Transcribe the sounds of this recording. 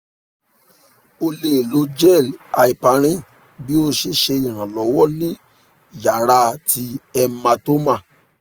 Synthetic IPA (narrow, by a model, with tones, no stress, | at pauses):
o˧le˦˨lo˨˦d͡ʒɛ˦˨la˨i˨pa˨˦ɾ̃ĩ˦ | bi˦o˧ʃe˧ʃe˧i˨ɾ̃ã˨lɔ˨˦wɔ˦nĩ˦˨ | ja˨ɾa˧tʰi˧ɛ˧mã˧to˦mã˦˨